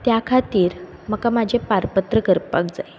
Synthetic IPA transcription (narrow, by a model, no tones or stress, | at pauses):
t̪jakʰat̪iːɾməkamad͡ʑʱepaɾpət̪ɾəɡəɾpak̚d͡zaj